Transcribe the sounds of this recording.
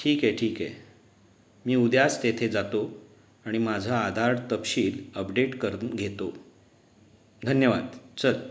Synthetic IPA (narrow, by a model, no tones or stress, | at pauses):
ʈʰiːkeʈʰiːkḛ | miːud̪jast̪et̪ʰed͡zat̪o | aɽ̃imad͡zʱaːd̪ʱaɽt̪əpɕiːləpɖeʈkəɾunɡʱet̪o | d̪ʱənjəʋa̰d̪t͡ɕəl